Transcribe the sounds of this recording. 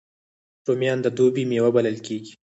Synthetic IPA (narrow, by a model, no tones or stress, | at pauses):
ʈomjɑnd̪əd̪obimewabaləlkeɡi̥